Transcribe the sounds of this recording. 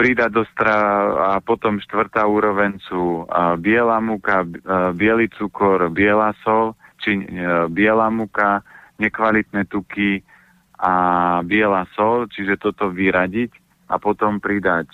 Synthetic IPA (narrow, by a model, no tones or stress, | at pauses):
pɾid̪ad̪ɔst̪ɾaapɔt̪ɔmʃt̪ʋr̩t̪aːuːɾɔʋɛnt͡subɪɛlaːmukabɪɛlit͡sukɔɾbɪɛlasɔlt͡ʃibɪɛlaːmukaɲɛkʋalit̪nɛt̪uki | abɪɛlaːsɔlt͡ʃiʒɛt̪ɔt̪ɔʋiɾaɟic | ʔa̰pɔt̪ɔmpɾid̪ac